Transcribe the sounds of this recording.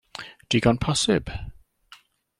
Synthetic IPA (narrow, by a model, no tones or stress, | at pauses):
d̥iɡɔ̃npʰasɪ̰b̥